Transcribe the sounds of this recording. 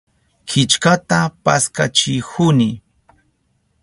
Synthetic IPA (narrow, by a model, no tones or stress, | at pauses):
kʰɪt͡ʃkat̪apaskat͡ʃɪhʊnɪ